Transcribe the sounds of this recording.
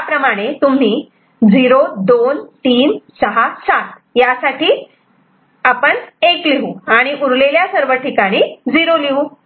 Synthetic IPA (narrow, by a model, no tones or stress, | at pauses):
japɾəmaɽ̃et̪um̤iː | d͡ziɾod̪ont̪iːnsəɦasat̪̚ | jasaʈiː | apəɳekliɦuaɽ̃iʔuɾleljasəɾʋəʈːikaɽ̃iːd͡ziɾoliɦu